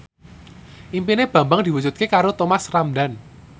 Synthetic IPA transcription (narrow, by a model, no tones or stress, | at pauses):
ʔimpineb̥ä̤mbaŋd̪̥i̤wu̥d͡ʒut̪̚kekaɾot̪omasramɖan